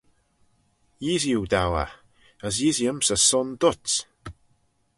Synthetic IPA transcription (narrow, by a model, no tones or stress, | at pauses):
jizjuwdawa̰ | əz̬iːzjəmsəsɔndʊt